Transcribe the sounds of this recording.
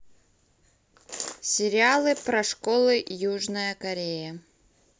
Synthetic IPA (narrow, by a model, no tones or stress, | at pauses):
sʲɪɾʲɪalˠɨpɾɐʂkolˠɨjuʐnəjəkɐɾʲejə